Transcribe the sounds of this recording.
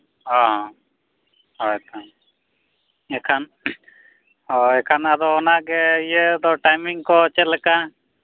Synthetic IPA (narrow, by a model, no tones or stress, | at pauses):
ɔ̃ɦɔ̃ | ɦɔɛt̪a | ɛkʰan | ɔɛkʰanad̪ɔːnaɡɛijɛd̪ɔʈajmiŋkɔt͡ʃɛlɛka